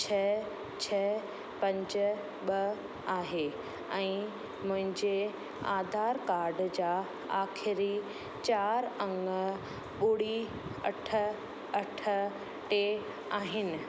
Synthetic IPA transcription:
t͡ɕʰɐ | t͡ɕʰɐ | pɐ̃ɲd͡ʑ | ɓɐ | aːɦe | ɛ̃ː | mʊ̃ɦɪ̃ɲd͡ʑe | a̰ːd̪ʱaːɾkaːɾɖd͡ʑaː | aːxɪɾi | t͡ɕaːɾɐ̃ŋ | ɓʊɽi | ɐʈʰə̆ | ɐʈ̆ʰ | ʈe | aːɦɪnɪ̆

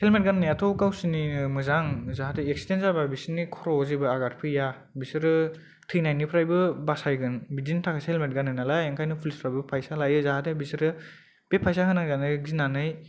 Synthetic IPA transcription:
helmet̚ɡanːɯjatʰɔwkawsininɯmɯzaŋzaɦateek̚si̥tenzababisinikʰɔɾɔzibɯaɡat̚pʰɯja | bisɯɾɯ | tʰɯjnajnipʰɾajbɯbasajɡɯnbidintʰakʰashelmet̚ɡanːɯnalajeŋkʰajnɯpʰulispʰɾajbɯpʰajsalajɯzaɦatebisɯɾɯ | b̥epʰajsaɦɯnaŋzanɯzinanɯj

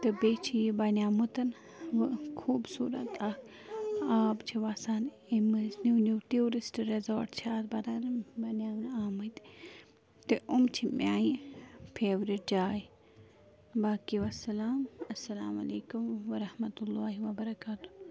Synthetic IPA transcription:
t̪ɨbeːt͡ʃʰijbɐnʲjaːmut̪ɐn | ʋɨkʰuːbsṵːɾɐ̰t̪ak | aːpt͡ʃʰiʋasaːn | imɨznunuːʈioːɾisʈɾezoːɾʈt͡ʃʰaːt̪bɐd̪aːnbɐnjaːmnaːmɐjt̪ | t̪ɨʔʊmt͡ʃʰimʲjaːjipʰeːʋɾiʈ̚d͡ʒaːj | baːkiʋɐsɐlaːmɐsːɐlaːmɐ̰leːkumʋɐɾɐhmɐt̪ulːaːɦiʋɐbɐɾɐkaːt̪u̥

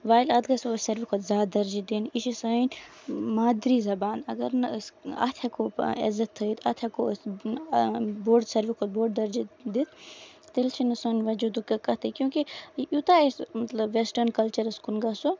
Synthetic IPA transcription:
ʋaːjlɐd̪ɡɐsosɐɾʋikʰot̪zaːd̪ɐɾd͡ʒid̪iniʃisɐn | maːd̪ɾizɐbaːnɐɡɐɾnɐsɐ̰t̪ʰɐkoḛzɐt̪ʰːəit̪ʰɐt̪ʰɐkos | boːɖsɐɾʋikʰoːt̪̚boːɖd̪ɐɾd͡ʒid̪it̪ | t̪elt͡ʃʰinɨsɐnʋɐd͡ʒud̪ukɐkɐt̪ʰikjũːkijut̪aesmɐt̪lɐbʋesʈɐɾnkɐlt͡ʃɐɾɐskunɡɐso

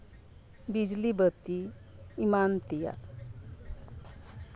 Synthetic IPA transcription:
bid͡ʒlibət̪iː | mant̪ija̰

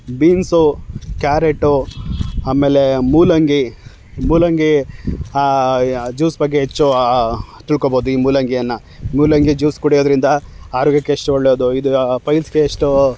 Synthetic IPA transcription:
biːnsukaːɾeʈːu | aːme̞ːle̞muːlɐŋɡi | muːlɐŋɡi | d͡ʒuːsbɐɡːeɦet͡ʃːu | t̪iɭkoboːd̪uiːmuːlɐŋɡijɐnːɐ | muːlɐŋɡid͡ʒuːskuɽijod̪ɾind̪ɐaːɾoːɡjɐkːeːʂʈuoɭːoːd̪uid̪upɐjlsɡeːʂʈu

